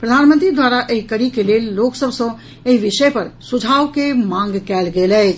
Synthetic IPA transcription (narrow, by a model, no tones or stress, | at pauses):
pɾəd̪ʱanmə̃nt̪ɾid̪waɾaʔeɦikəɾikelelːoksəbʱsə̃ | eɦiʋɪʃəepəɾsud͡ʒʱawkemãŋɡkɛːlɡelɛːt͡ʃ